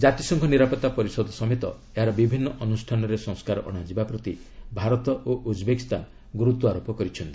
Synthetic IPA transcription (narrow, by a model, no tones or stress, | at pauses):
d͡ʒat̪isɔŋkʰɔniɾapɔt̪ːapɔɾisɔd̪ɔsɔmet̪ɔ̰ | eɦaɾɔbibʱinːɔʔɔnusʈʰanɔɾesɔ̃ŋskaɾɔ̰ʔɔ̰ɽ̃ad͡ʒibapɾɔt̪ibʱaɾɔt̪ɔʔoʔud͡ʒbekist̪anɔ | ɡuɾut̪ːuaɾopɔkɔɾit͡ʃʰɔnt̪i̥